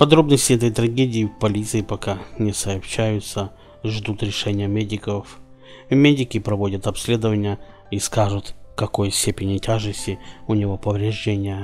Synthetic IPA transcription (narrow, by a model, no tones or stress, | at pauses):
pɐd̪ɾo̞bnəsʲtʲɪɛt̪əjt̪ɾɐɡʲedʲɪɪfpɐlʲit̪sɨɪpɐkanʲɪsəɐpɕːæjʊt̪sə | ʐd̪ut̪ɾʲɪʂɛnʲɪjəmʲedʲɪkəf | vmʲedʲɪkʲɪpɾɐvo̞dʲət̪ɐpsʲlʲe̞d̪əvənʲɪjə | iskaʐʊt̪kɐko̞jsʲtʲepʲɪnʲɪtʲaʐɨsʲtʲɪʊnʲɪvopəvɾʲɪʐdʲenʲɪjə